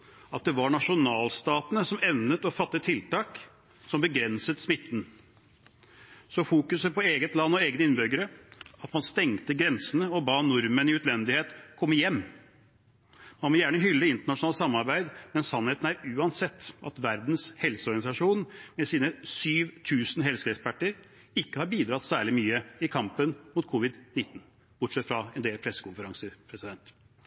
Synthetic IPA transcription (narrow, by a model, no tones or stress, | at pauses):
ɑt̪̚d̪ɛʋɑɳɑʂʊnɑːlst̪ɑːt̪ənəsɔmɛnnət̪ɔfɑt̪ːət̪ʰːɪlt̪ɑːk | sɔmbəɡɾɛnsət̪smɪt̪ːn̩ | sɔfuːkʉsəpʰɔeːɡət̪lɑnːɔeːɡənəɪnːbʏɡəɾəɑt̪mɑnst̪ɛŋt̪əɡɾɛnsənəɔbɑːnʊɾmənɪʉt̪lɛnd̪ɪheːt̪kʰɔmːəjɛmː | mɑnʋɔjæːɳəɦʏlːəɪnt̪əɳɑʂʊnɑːləsɑmːɑɾbæɪd̪mɛnsɑnːheːt̪n̩æɾʉːɑnsɛt̪ːʔɑt̪ʋæɾd̪nshɛlsəɔɾɡɑnɪsɑʂuːnmɛsiːnəsyːʋt̪ʰʉːsn̩ɦɛlsəɛkspæʈːəɾ | ɪkːəhɑɾbiːd̪ɾɑt̪sæːɭɪmyːəɪkʰɑmpənmʊt̪kʰʊʋɪd̪nɪt̪ːn̩ | b̥ʊʈʂɛt̪ːfɾɑɛnd̪eːlpʰɾɛsːə̥kʊnfəɾɑŋsəpʰɾɛsɪd̪ɛnt̪